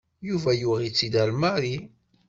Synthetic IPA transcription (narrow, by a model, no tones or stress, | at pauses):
juvæjuʁit͡sːid̪ælmaɾi